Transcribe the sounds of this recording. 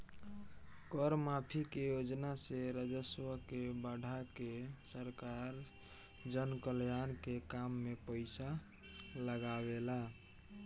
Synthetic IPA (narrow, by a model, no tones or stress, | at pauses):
kɔɾmapʰikejod͡ʒnaseɾəd͡ʒəswəkebaɽ̤ʱakesəɾkaɾ | d͡ʒənkəljankekamːepəɪsa | ləɡawela